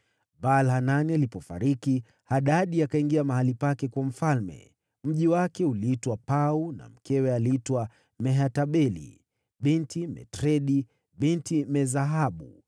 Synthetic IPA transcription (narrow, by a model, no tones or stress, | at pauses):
ɓalhananialipɔfa̰ɾiki | haɗaɗiakaiŋɡiamahalipakɛkwam̩falmɛ̰ | m̩ʄiwakɛuliitwapauna̰m̩kɛwɛaliitwa | mɛɦataɓɛlḭ | ɓintʰimɛ̰tɾɛɗi | ɓintimɛzaɦaɓṵ